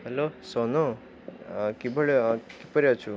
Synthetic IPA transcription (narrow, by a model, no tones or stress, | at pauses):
ɦɛlosono | kibʱəɭkipəɾjat͡ʃʰu